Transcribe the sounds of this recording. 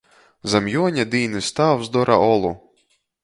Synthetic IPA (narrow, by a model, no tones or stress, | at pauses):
zɐmjɔnʲɐd̪ijnɨst̪ɑwzd̪ɔɾʔɐ̰ʔɔlˠʊ